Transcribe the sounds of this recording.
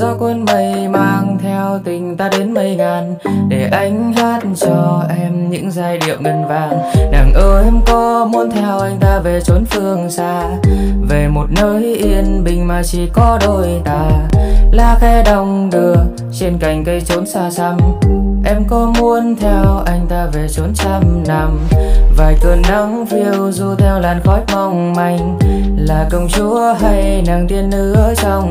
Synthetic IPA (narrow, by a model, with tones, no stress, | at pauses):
zɔ˧kwə˧nmə˨˩jmaː˧ŋt̪ʰɛ˧wt̪ï˨˩ŋ̟t̪aː˧ɗe˨˦nmə˨˩jŋaː˨˩n | ɗe˧˩ʔa˧jŋ̟haː˦˥t̚t͡ɕɔ˧ʔɛ˧mɲɨ̰˧˥ŋzaː˧jɗḭ˧˨əwŋə˨˩nvaː˨˩ŋnaː˨˩ŋʔəː˧ʔɛ˧mkɔ˨˦mu˧ənt̪ʰɛ˧wʔa˧jŋ̟t̪aː˧ve˨˩t͡ɕo˨˦nfɨ˧əŋsaː˧ | ve˨˩mo˨˩t̚nəː˧jʔi˧ənɓï˨˩ŋ̟maː˨˩t͡ɕi˧˩kɔ˨˧˦ɗo˧˩jt̪aː˧˩laː˧˩xɛ˧ɗə˧˩wŋ͡mɗɨ˨˩ək̚ | t͡ɕe˧nka˨˩jŋ̟kə˧jt͡ɕo˨˦nsaː˧sa˧mʔɛ˧mkɔ˨˦mu˧ənt̪ʰɛ˧wʔa˧jŋ̟t̪aː˧ve˨˩t͡ɕo˨˦nsaː˧mna˨˩mvaː˨˩jkə˨˩nɗa˨˧˦ŋfi˧əwzu˧t̪ʰɛ˧wlaː˨˩nxɔ˨˦˥j̚ma˧wŋ͡mma˧˩jŋ̟ | laː˨˩kə˧wŋ͡mt͡ɕu˨˦ɦa˧jnaː˨˩ŋt̪i˧ənʔɨ˧˦˥ʔəː˦jsa˧wŋ͡m